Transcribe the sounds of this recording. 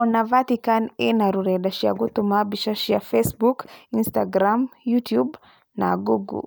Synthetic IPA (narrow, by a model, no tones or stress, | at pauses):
navat̪ikanenaɾuɾedaʃia̰ɡut̪umabiʃaʃiafesbukinst̪aɡɾamjut̪jub | na̰ɡuɡṵ